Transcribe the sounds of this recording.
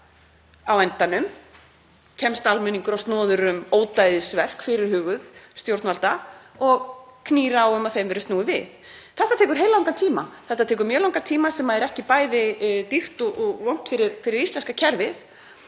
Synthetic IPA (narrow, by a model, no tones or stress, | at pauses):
awɛnt̪anʏm | cʰɛmst̪almɪnːiŋkʏɾawst̪nɔːðʏɾʏmoːwt̪ajðɪsvɛr̥kfɪɾɪɾ̥hʏːɣʏðst̪jowɾt̪nalt̪a | ɔɣkʰniːɾaːwʏmaðθejmvɛɾʏst̪nuːɪvɪ̰θθɛht̪at̪ʰɛːkʏɾ̥ɦejlaawŋkant̪ʰiːmaθɛht̪at̪ʰɛːk̬ʏɾmjœːlawŋkant̪ʰiːmasɛmaɛɾɛhcɪpaːjðɪt̪ir̥t̪ɔɣɔɣvɔwn̥t̪fɪɾɪɾfɪɾɪɾist̪lɛnskacʰɛɾvɪθ